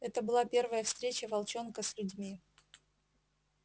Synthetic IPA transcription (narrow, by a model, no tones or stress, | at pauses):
ɛt̪əbɨlˠapʲe̞rvəjəfst̪ɾʲet͡ɕəvɐlˠt͡ɕo̞nkəsʲlʲʉdʲmʲi